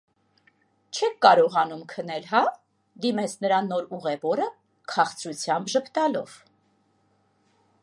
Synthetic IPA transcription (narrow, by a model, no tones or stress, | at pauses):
t͡ʃʰɛk̚ʰkɑɾɔʁɑnumkʰənɛlɦɑ | d̪imɛt͡sʰnəɾɑnːɔɾuʁɛvɔɾə | kʰɑχt͡sɾut͡sʰjɑmbʒəpʰt̪ɑlɔ̰v̥